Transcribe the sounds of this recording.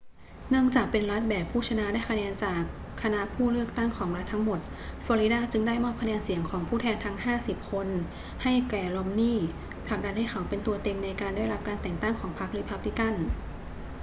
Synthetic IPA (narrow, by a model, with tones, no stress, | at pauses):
nɯ˥˩əŋt͡ɕaː˨˩k̚pe˧nɾa˦˥t̪̚bɛː˨˩pʰuː˥˩t͡ɕʰa˧na˦˥daː˥˩jkʰa˧nɛː˧nt͡ɕaː˨˩kʰːa˧na˦˥ʔpʰuː˥˩lɯ˥˩ək̚t̪a˥˩ŋkʰɔː˩˦ŋɾa˦˥t̪ʰːa˦˥ŋmo˨˩t̪̚ | fɔː˧ɾi˦˥daː˥˩t͡ɕɯ˧ŋdaː˥˩jmɔː˥˩p̚kʰa˧nɛː˧nsi˨˩˦əŋkʰɔː˩˦ŋpʰuː˥˩t̪ʰɛː˧nt̪ʰa˦˥ŋhaː˥˩si˨˩p̚kʰo˧n | ha˥˩jkɛː˨˩lo˧˥mniː˥˩ | pʰla˨˩k̚da˧nha˥˩jkʰa˩wpe˧nt̪u˧ɐt̪e˧mna˧jkaː˧ndaː˥˩jla˦˥p̚kaː˧nt̪ɛː˨˩ŋt̪a˥˩ŋkʰɔː˩˦ŋpʰa˦˥k̚ɾi˧˥pʰa˦˥p̚li˧˦˥ka˥˩n